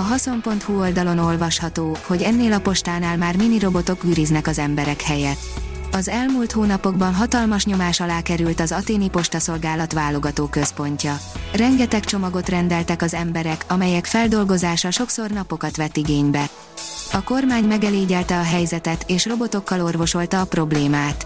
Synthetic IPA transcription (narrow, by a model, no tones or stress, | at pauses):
ɒɦɒso̞mpo̞nt̪huo̞ld̪ɒlo̞no̞lvɒʃhɒt̪oːho̞ɟɛnːeːlɒpo̞ʃt̪aːnaːlmaːrminiɾo̞bo̞t̪o̞kyːɾiznɛkɒzɛmbɛɾɛkhɛjɛt̪ː | ɒzɛlmuːlt̪hoːnɒpo̞ɡbɒnɦɒt̪ɒlmɒʃɲo̞maːʃɒlaːkɛɾylt̪ɒzɒt̪eːnipo̞ʃt̪ɒso̞lɡaːlɒt̪ʋaːlo̞ɡɒt̪oːkø̞spo̞ɲcɒrɛŋɡɛt̪ɛkt͡ʃo̞mɒɡo̞t̪rɛnd̪ɛlt̪ɛkɒzɛmbɛɾɛkɒmɛjɛkfɛld̪o̞lɡo̞zaːʃɒʃo̞kso̞rnɒpo̞kɒt̪ʋɛt̪ːiɡeːɲbɛ | ɒko̞rmaːɲmɛɡɛleːɟɛlt̪ɛɒɦɛjzɛt̪ɛt̪eːʃro̞bo̞t̪o̞kːɒlo̞rvo̞ʃo̞lt̪ɒːpro̞bleːmaːt̪